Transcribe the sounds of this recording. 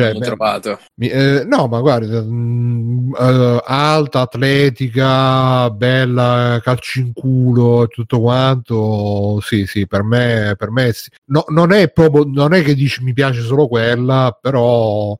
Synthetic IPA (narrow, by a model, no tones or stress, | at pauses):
t͡ʃɛt̪aːt̪o | minɔmaɡward̪a | alt̪aːt̪ːlɛːt̪ikabɛlːakalt͡ʃiŋkuːloet̪ːut̪ːokwant̪osisipermepermesi | nononɛpːɾɔːp̬ɾjononɛkːed̪ːiːt͡ʃimipjaːt͡ʃes̬oːlokwelːapeɾɔ